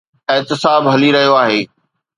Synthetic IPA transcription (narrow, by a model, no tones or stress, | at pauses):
ɪːt̪ɪsaːbɦɐliɾɐɦijoaːɦeː